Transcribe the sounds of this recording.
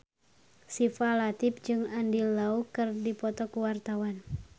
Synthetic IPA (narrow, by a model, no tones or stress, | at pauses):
sifalat̪ip̚d͡ʒɨŋandilːaukɨrdipɔt̪ɔkuwart̪awan